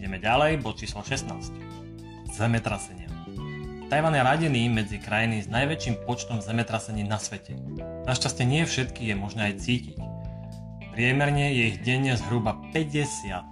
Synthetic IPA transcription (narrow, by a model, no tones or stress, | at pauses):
ɟɛmɛɟalɛjbɔt̪t͡ʃiːslɔʃɛst̪naːsc | z̥ɛmɛt̪ɾasɛɲɪa | t̪ajʋanjaɾaɟiniːmɛd͡zikɾajiniznajʋɛt͡ʃimpɔt͡ʃt̪ɔmzɛmɛt̪ɾasɛɲiːnasʋɛcɛ | naʃcascɛɲɪɛfʃɛt̪kiːɣjɛmɔʒnɛajt͡siːcic | pɾɪɛmɛɾɲɛjɛiɣɟɛɲːɛzɦɾubapɛɟɛsɪat̪̚